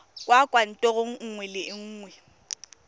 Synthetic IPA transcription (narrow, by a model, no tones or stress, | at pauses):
kʼwakʼwan̩tʼɔɣoŋ̩ŋ̩ŋwɛlɪŋ̩ːŋwɛ